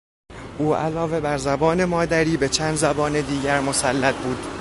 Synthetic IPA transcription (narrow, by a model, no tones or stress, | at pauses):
ʔuːæ̰lɒːve̞bæɾzæbɒːne̞mɒːd̪æɾiːbe̞t͡ʃʰæːnd̪zæbɒːne̞d̪iːɟæɾmo̞sælːæt̪̚buːd̪̥